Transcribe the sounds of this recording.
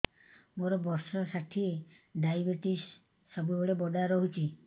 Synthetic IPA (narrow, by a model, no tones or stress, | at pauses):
moɾɔbɔɾsɔsaʈʰie | ɖajbeʈisː | ɔbuebɔɽebɔɖaɾɔɦut͡ʃʰi